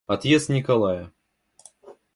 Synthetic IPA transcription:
ɐt̪jesnʲɪkɐlˠajə

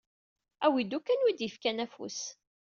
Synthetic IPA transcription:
æwid̪ukːænwid̪jəfkænæfṵs

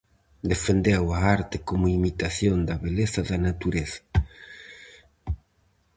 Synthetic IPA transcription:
d̪efend̪ewaaɾt̪ekomoimit̪aθjond̪ɐβeleθaðanat̪uɾeθḁ

